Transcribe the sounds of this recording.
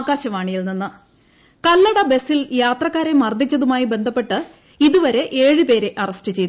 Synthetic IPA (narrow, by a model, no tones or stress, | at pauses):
aɡaːɕɐʋaːɳijilninːɨ | kɐlːɐɽɐbe̞siljaːt̪rɐkːaːɾemɐrd̪ʱit͡ɕːɐðumaːjibe̞nd̪ʱɐpːe̞ʈːɨ | iðuʋɐɾe̞ʔe̞ːɻɨpe̞ːɾe̞ʔɐrɐstɨt͡ɕe̞jt̪